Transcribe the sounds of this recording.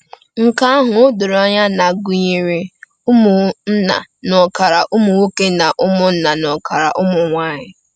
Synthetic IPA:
ŋ̩˦ka˦a˦ɦʊ˨ʊ˦dʊ˨ɾa˦ɲa˦na˨ɡʊ˨˦ɲi˦ɾi˦ | u˦mʊ˨n̩˦na̰˨nɔ˨ka˨ɾa˨ʔʊ˦mʊ˨wu˦ke˦na˨ʔʊ˦mʊ˦n̩˦na˨nɔ˨ka˨ɾa̰˨ʔʊ˦mʊ˨ŋʷa˦ɲɪ˦

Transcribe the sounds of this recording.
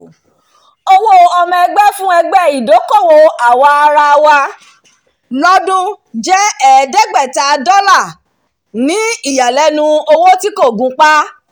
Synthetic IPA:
o˧wo˦ɔ˧mɛ̃˧ɡ͡bɛ˦fũ˦ɛ˧ɡ͡bɛ˦˨i˨do˨˦kɔ˦˨wo˧a˨wa˧a˧ɾa˧wa˧ | lɔ˦dũ˦ | d͡ʒɛ˦ɛ˦˨dɛ˦ɡ͡bɛ˦˨ta˨˧dɔ˦la˦˨ | nĩ˨˦i˦˨ja˨lɛ˨˦nũ˧o˧wo˦ti˦ko˦˨ɡũ˨˦k͡pa˦

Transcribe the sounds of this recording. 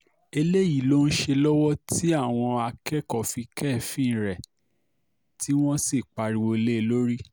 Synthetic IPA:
e˧le˦ji˦˨lo˦˧n̩˦ʃe˧lɔ˦wɔ˦ti˦a˦˨w̃ɔ̃˧a˧kɛ˦˨kɔ˦˨fi˧kɛ˦˨fĩ˦˨ɾɛ˨ | ti˦w̃ɔ̃˦si˦˨k͡pa˧ɾi˨˧o˧le˦˧lo˦ɾi˦

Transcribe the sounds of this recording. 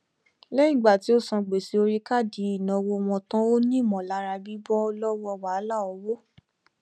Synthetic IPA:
lɛ˦ĩ˦˨ɡ͡ba˨ti˨˦o˦sã˧ɡ͡be˨si˨˦o˧ɾi˦ka˦˨di˨˦i˦˨naɔ̃˨wo˧w̃ɔ̃˧tã˦o˦nĩ˦˨mɔ̃˨la˨˦ɾa˧bi˦bɔ˦lɔ˦wɔ˧˨wa˨˦la˦˨ɔ˧wo˦

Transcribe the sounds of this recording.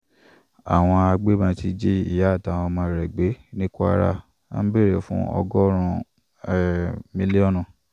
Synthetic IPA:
a̰˨w̃ɔ̃˧a˧ɡ͡be˦mã˧ti˧d͡ʒe˦i˦˨ja˨˦˨ta˨˦ɔ˧mã˧ɾɛ˨ɡ͡be˨˦nĩ˦ku˦a̰˧ɾa̰˦˨ | a̰˦n̩˦be˦˨ɾe˨fṵ̃˦ɔ̰˧ɡɔ˦ɾ̃ũ˧˨ | ɛ˨mĩ˦li˦ɔ˦˨nũ˨

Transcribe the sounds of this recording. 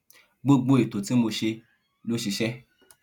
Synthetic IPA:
ɡ͡bo˦ɡ͡bo˦i˨to˨ti˨˦mo˧ʃe˧ | lo˦ʃi˧ʃɛ˦

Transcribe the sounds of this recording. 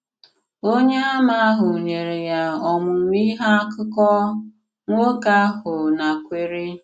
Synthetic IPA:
o˦ɲe˦a˦ma˦a˦ɦʊ˨ɲe˨ɾe˨ja˦ɔ˨mʊ˨ŋʷ˦i˦ɦa˦a˦kʊ˦kɔ˦ | ŋʷo˦ka˦a˦ɦʊ˨na˨kʷe˨ɾe˦

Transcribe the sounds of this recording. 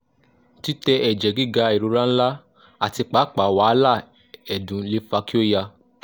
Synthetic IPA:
ti˦tɛ˧ʔɛ˨d͡ʒɛ˨ɡi˦˨ɡa˧i˨ɾu˧˦ɾã˦n̩˦la˦ | a˨ti˧k͡pa˨˦k͡pa˨˦˨wa˨˦la˦˨ | ɛ˨dũ˨˦le˨˦fa˧ki˦o˦ja˧

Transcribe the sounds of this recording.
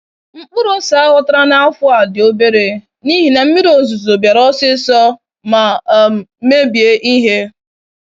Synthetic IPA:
ŋ͡m̩˦k͡pʊ˦ɾʊ˦sa˨a˦wɔ˦ta˦ɾa˦na˦a˦fʊ˦a˨dɪ˨o˦be˦ɾe˨ | ni˦ɦi˨ne˨m̩˦mɪ˦ɾo˨zu˨zo˨bja˨ɾɔ˦sɪ˦sɔ˦ | ma˨˦ | me˦bje˦ʔi˦ɦe˦

